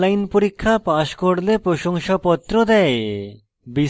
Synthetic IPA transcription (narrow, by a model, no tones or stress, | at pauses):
lajnpoɾikʰːapaʃkoɽlepɾoʃoŋʃapɔt̪ːɾod̪ɛe | bi